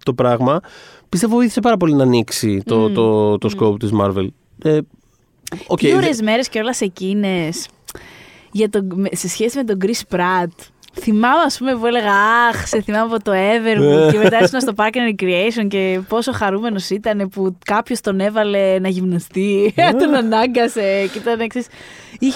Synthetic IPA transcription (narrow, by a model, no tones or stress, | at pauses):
t̪o̞pɾɐɣmɐpist̪e̞voiθi̥sepɐɾɐp̬o̞linɐːniksit̪oot̪oskopt̪izmɐɾvḛl | e | oeioɾezme̞ɾe̞sceo̞lɐse̞cine̞s | ʝɐt̪o̞mese̞sçe̞simet̪̬o̞ɡɾispɾɐt̪ | θimɐmeɐspume̞pue̞le̞ɣɐɐxseθimɐmɐpo̞t̪o̞e̞veɾmuemet̪ɐesunɐst̪o̞pɐɾcinɐɾkɾiejsonce̞po̞so̞xɐɾume̞no̞sit̪ɐne̞pukɐpço̞st̪o̞ne̞vɐle̞nɐʝimnɐst̪it̪onɐnɐŋɡɐse̞cit̪ɐneksisi